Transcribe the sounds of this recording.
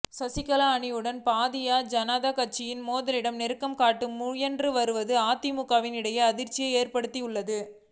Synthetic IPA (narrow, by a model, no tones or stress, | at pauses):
sɐsɪkɐlaːɳɪjɯɽɐnpaːðɪjaːd͡ʒɐnaðakɐʈ̚t͡ʃːɪjɪnmoːðɐlɪɽɐmnɛɾɯkːɐmkaːʈːɯmːʊjɛndrɯʋɐɾɯʋɐðɯaːt̪ːɪmʊkːaːʋɪnɪɽɐjɐːðɪɾt͡ʃːɪjɐɪeːrpɐɽɯt̪ːiʊɭːɐðɯ